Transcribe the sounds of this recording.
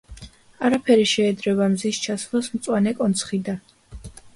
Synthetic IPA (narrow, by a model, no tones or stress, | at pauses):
aɾapʰɛɾiʃɛːd̪ɾɛbamzist͡ʃʰaslɔsmt̪sʼwanɛkʼɔnt̪sʰχid̪a